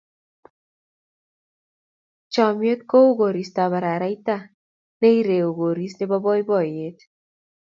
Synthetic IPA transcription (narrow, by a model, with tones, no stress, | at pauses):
t͡ʃɔ˨mjo˦t̪̚ko˦u˦ɡo˨ɾi˨st̪a˨βa˨ɾa˨ɾa˦jt̪a˦ | ne˦jɾe˨o˨ɡo˨ɾi˦sne˦ba˦bɔ˦jbɔ˨je˦t̪